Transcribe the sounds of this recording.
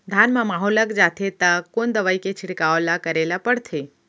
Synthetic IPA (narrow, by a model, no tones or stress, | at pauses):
d̪ʱanmãmaɦoləkd͡ʒat̪ʰet̪akond̪əʋaiket͡ʃʰɪɽkaolakəɾelapəɽt̪ʰe